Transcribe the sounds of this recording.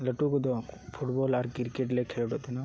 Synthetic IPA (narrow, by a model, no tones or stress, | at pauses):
ləʈukud̪opʰuʈboːlaɾkiɾkeʈ̬lekʰelʈot̪ina